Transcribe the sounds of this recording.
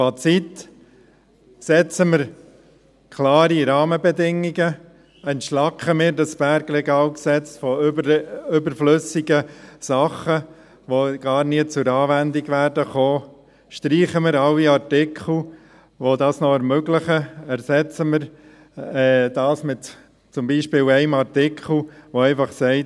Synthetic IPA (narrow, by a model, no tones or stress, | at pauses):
fɑt͡sit̪ | sɛt͡səmɪɾ | kʰlɑːɾiɾɑːməbɛdɪŋiɡə | ɛntʃlɑkʰχəmɪːɾdɑsb̥æɾɡɾɛɡɑːlksɛt͡sfɔ | ʏbəɾflɵsiɡəsɑχə | ʋoɡ̥ɑːɾniət͡sʊɾɑːvændiɡʋæːɾdəχoː | ʃtɾiːχəmɪɾɑwiɑɾtɪkχl̩ | ʋodɑːsnɔɛɾmøɡlɪχəæɾsɛt͡səməɾ | ɛːd̥ɑːsmɪt | t͡sʊmbiːʃpɪːlɛɪmɑɾtɪkʰl̩ʋoɛɪfɑχsɛɪt